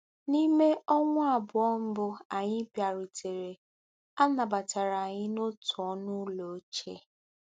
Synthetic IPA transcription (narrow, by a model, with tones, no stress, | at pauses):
ni˦me˦ɔ˦ŋʷʊ˦a˨bʊ˨ɔ˦m̩˦bʊ˦a˨ɲɪ˦pja˨ɾi˨tʰe˨ɾe˨ | a˦na˨ba˨t͡ʃa˨ɾa˨ɲɪ˦no˦tʊ˨ɔ˦nʊ˦lo˨˦t͡ʃe˦